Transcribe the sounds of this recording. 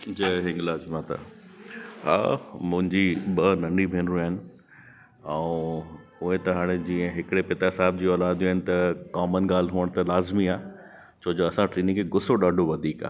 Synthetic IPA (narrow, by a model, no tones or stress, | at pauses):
d͡ʑɐɦɪ̃ŋɡlaːzmãt̪a̰ | ɦa̰ːmʊ̃ɦɪ̃ɲd͡ʑiɓɐnɐ̃ɳɖibʱẽːnɾuaːɪnɪ̆ | ɛ̃ũ | ʊɦet̪ɐɦaːɽ̃ed͡ʑĩːə̃ɦɪkɪɽepɪt̪aɦɪsaːɪb̚d͡ʑiːɔːlaːd̪jaːɦɪ̃nɪ̆t̪ɐkaːmənɠaːl̤ɦuəɽ̃t̪ɐlaːzmiaː | t͡ɕoːd͡ʑoɐsãʈɾiːnɪ̃ĩkʰeɡʊsoɗaːɖʱoʋɐd̪ʱiːka̰ː